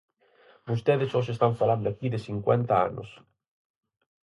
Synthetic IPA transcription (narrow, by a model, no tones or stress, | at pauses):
bost̪eðesos̬est̪aɱfaland̪oakiðɪsiŋkwɛnt̪aa̰nʊ̰s